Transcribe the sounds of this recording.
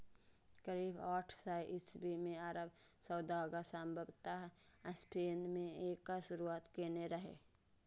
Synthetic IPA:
kəɾiːbaːʈʰsajʔɪsbimẽaːɾəbsəʊd̪aɡasambʱəbt̪aɦəsʈʰeːnd̪mẽeːkːaʃʊɾuaːt̪keneɾəɦḛ

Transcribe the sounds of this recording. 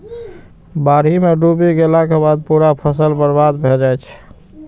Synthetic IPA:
baɽ̤imeɖubiɡelakebad̪̚puɾapʰəsəlbəɾbad̪bʱeld͡ʒajt͡ʃʰ

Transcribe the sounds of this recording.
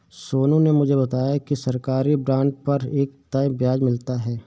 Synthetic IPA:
soːnõnemʊd͡ʒʱebɐt̪aːjakisɐɾkaːɾibɾãːɳɖpɐɾeːk̚t̪ɐjbjaːd͡ʒmɪlt̪aɦɛː

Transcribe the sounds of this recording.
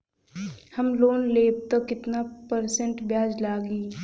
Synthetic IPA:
hɐmloːnleːb̚t̪əkɪt̪napəɾsə̃ɳʈbjaːd͡ʒlaːɡiː

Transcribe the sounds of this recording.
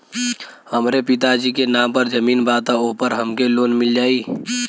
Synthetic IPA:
həmɾepɪt̪ad͡ʒikenaːmpəɾd͡ʒəmiːnbat̪aopəɾɦəmkeloːnmɪld͡ʒaːiː

